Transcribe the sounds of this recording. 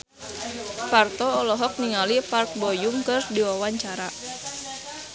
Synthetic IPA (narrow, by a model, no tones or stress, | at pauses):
part̪ɔːlɔɦɔk̚niŋalipark̚bɔjuŋkɨrdiwawaɲt͡ʃaɾa